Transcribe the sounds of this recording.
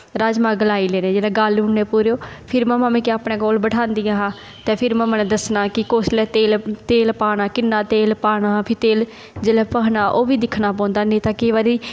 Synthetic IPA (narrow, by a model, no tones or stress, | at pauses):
ɾaːd͡ʒmãːɡəlaːiːleːnẽːd͡ʒeːɽɛːɡəlʊɳneːpuːɾeoːpʰɪɾmɛ̃ːmãːmẽːkeaːpɳẽːɡoːlbəʈʰãːnd̪ijãːɦãː | t̪ɛ̃ːpʰɪɾmɛ̃mənẽd̪əsnaːkɪkoːslɛːt̪eːlt̪eːlpaːnaːkɪnːaːt̪eːlpaːnaːɦãːpʰɪɾt̪eːl | d͡ʒeːlɛːpəːɦnaːʔoːʋiːd̪ɪkʰnaːp̬ɔ̃ːnd̪aːnĩːt̪aːkeːʋaːɾi